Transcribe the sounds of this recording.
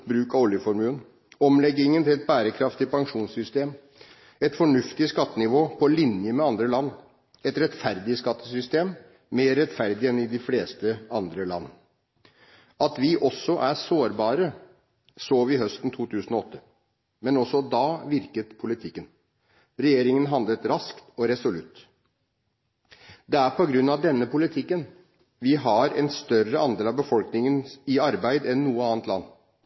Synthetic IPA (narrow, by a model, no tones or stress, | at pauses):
bɾʉːkɑʋɔljəfɔɾmʉːn | ɔmlɛɡːɪŋənt̪ʰɪlɛt̪̚bæːɾəkʰɾɑft̪ɪpʰɑŋʂuːnssʏst̪eːm | ɛt̪fɔɳʉft̪ɪskɑt̪ːənɪʋoːpʰɔlɪnjəmɛɑnd̪ɾəlɑnː | ɛt̪ɾɛt̪fæɾd̪ɪskɑt̪ːəsʏst̪eːm | meːɾɛt̪fæɾd̪ɪɛnɪd̪ɪfleːst̪əɑnd̪ɾəlɑ̰nː | ɑt̪ʋɪʔɔsːɔʔæsoːɾbɑːɾə | soːʋɪɦœst̪n̩t̪ʰuːt̪ʰʉːsn̩ɔɔt̪ʰːə | mɛnɔsɔd̪ɑːʋɪɾkət̪pʰʊlɪt̪ʰɪkːən | ɾɛjeːɾɪŋənɦɑnd̪lət̪ɾɑskt̪ɔɾɛsʊlʉt̪ː | d̪ɛæɾpʰɔɡɾʉnːɑʋd̪ɛnːəpʰʊlɪt̪ʰɪkːən | ʋɪɦɑɾɛ̰nst̪œrəɑnd̪eːlɑʋbəfɔlknɪŋənɪɑɾbæɪd̪ɛnːuːəɑːnt̪lɑ̰nː